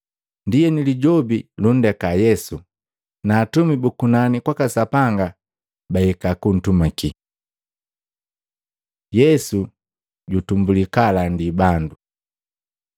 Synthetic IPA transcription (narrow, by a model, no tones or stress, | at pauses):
ndijɛniliɟɔbilun̩dɛkajɛsu | naːtumibukunanikwakasapaŋɡa | baɛkakun̩tumaki | jɛsu | ɟutumbulikalandibandu